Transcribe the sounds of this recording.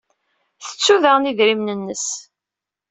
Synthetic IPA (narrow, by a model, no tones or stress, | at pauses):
θə̥t͡sːuðæʁniðɾimnənːəs